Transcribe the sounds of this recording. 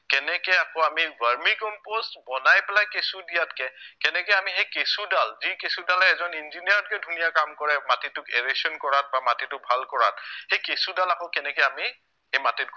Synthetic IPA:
kɛnɛkɛakɔamibaɹmikɔmpostbɔnajpɛlajkesudijatkɛkɛnɛkɛjamixejkesudalzikesudalɛɛzɔninzinijaɹɔt̚kɛdʱunijakamkɔɹɛmatitʊkeɹesɔnkɔɹat̚bamatitʊk̚bʱalkɔɹa̰t̚xejkesudalakɔ̃kɛnɛkɛjami | ejmatit

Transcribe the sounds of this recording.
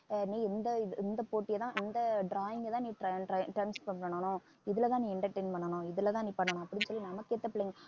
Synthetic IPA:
nĩːɛnd̪ɐɪɛnd̪ɐpoːʈːɪjɐt̪ãːʔɛnd̪ɐɖɾaːjɪŋɡɐt̪ãːnĩːʈɐʈɐʈɐɪmspɐɳpɐɳɐɳːɐnʊ̃ | ɪðɪlɐt̪ãːnĩːɪɳʈɐɾʈɐɪnpɐɳːɐɳʊ̃ɪðɯlɐt̪ãːniːpɐɳːɐɳʊ̃ɐpːɯɽɪnsɔlːinɐmɐkːeːɾt̪ːɐpːɐɽeːŋɡɐ

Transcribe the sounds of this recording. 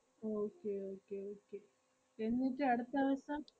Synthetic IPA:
oːkːeoːkːeoːkːe | enːitːɨɐɽut̪ːaʋɐsɐm

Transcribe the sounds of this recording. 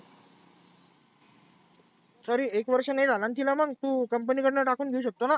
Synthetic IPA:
sɔɾiekʋəɾʂəned͡zʱalant̪ʰilaməɡt̪ukəmpənikəʈnaʈakuːnɡʱeuɕ̬ək̚t̪ona

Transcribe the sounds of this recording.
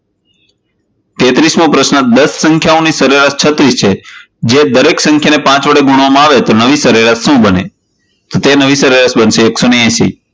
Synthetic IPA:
t̪et̪ɾismõpɾəʃnəd̪əsːə̃ŋkʰjaõnisəɾeɾast͡ʃʰət̪ɾist͡ʃʰe | d͡ʒed̪əɾeksə̃ŋkʰjanepãt͡ʃʋəɽeɡuɽ̃ʋamãaʋet̪onəʋisəɾeɾaʃũbəne | t̪ot̪enəʋisəɾeɾasbənʃeːksoneɛ̃ʃḭ

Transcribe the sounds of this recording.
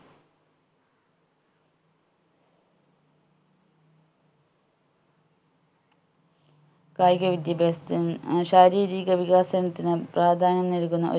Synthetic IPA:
kaːjɡɐʋid̪jɐbeːsɐt̪iɕaːɾiːɾiːɣɐʋiɣaːsɐnɐt̪ːinɨpraːd̪ʱaːnɐnneɾukːunːɐ̰ʔo̞

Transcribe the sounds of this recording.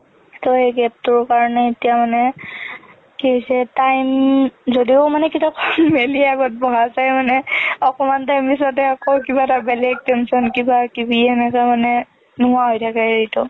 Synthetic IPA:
tɔeɡɛp̚tʊɹkaɹɔnɛetijamanɛ | kisɛtajmzodiʊmanɛkitakʰɔnmeliaɡɔt̚bɔɦazajmanɛɔkɔmantajmbisɔt̬ɛɔkɔwkibatabɛlɛɡ̚tɛnsɔnkibakibiɛnɛkamanɛ | nʊɦʊ̃aɦojtʰakɛɹitʊ

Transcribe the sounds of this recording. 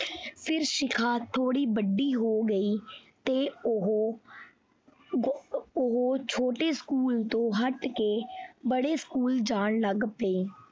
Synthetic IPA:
pʰɪɾʃɪkʰaːt̪ʰoːɽiːbəɖiːɦoːɡəiːt̪eːɦ | ʊɦoːt͡ʃʰoːʈeːskuːlt̪õːɦəʈkeːbəɽeːskuːld͡ʒaːɳləɡpeː

